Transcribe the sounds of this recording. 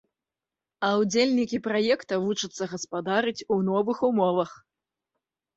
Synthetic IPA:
ɐwd͡zʲelʲnʲikʲipɾajɛkt̪ɐvut͡ʂɨt̪sːɐɣɐspad̪aɾɨt͡sʲunɔvɨxumɔvɐx

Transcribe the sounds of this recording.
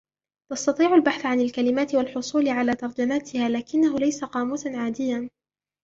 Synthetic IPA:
t̪ɑst̪ɑt̪ˤiːʕʊlbaħθʕanalkalɪmaːt̪ɪwalħʊsˤuːlɪʕalaːt̪ɑɾˤd͡ʒamaːt̪ɪhaːlaːkɪnːaɦʊlajsaqɑːmuːsanʕaːd̪ɪjːan

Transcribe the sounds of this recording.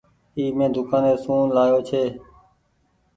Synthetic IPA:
iːmẽːd̪ʱʊkãːneːsũːnlaːjoːt͡ʃʰeː

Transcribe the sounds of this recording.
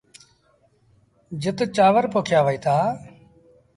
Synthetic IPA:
d͡ʒɪt̪t͡ʃaːʋəɾpoːkʰjaːʋəiːt̪ʰaː

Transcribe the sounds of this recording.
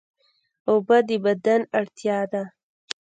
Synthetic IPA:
obad̪əbad̪anaɽt̪jɑːd̪a

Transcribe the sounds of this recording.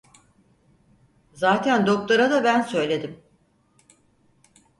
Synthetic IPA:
zaːt̪ʰænd̪ok̚t̪ˠaɾad̪abænsø̞jlʲe̞d̪im

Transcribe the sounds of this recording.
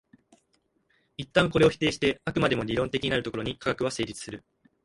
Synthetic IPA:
it̪ːãŋko̞ɾe̞o̞çʲi̥t̪e̞ːɕi̥t̪e̞akɯ̟mad̪e̞mo̞ɾʲiɾõ̞nt̪e̞kʲiɲ̟inaɾɯt̪o̞ko̞ɾo̞ɲ̟ikakakɯ̟βase̞ːɾʲit͡sɨ̥sɨɾɯ̟

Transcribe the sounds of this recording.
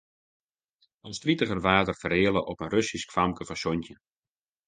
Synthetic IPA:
ɔnstritəɣərʋaːtərfəreːələʔɔpənrøsiskfamkəfɔsɔntjə

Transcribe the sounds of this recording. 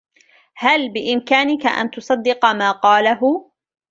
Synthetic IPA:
halbɪʔɪmkaːnɪka̰ʔa̰nt̪ʊsˤɑd̪ːɪqɑmaːqɑːlaɦʊ

